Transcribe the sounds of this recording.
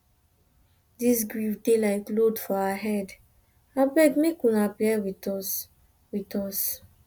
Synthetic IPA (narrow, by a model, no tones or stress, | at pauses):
disɡɹivdelaɪklodfɔaaɦɛd | abɛɡmekũnaplewitɔs | witɔs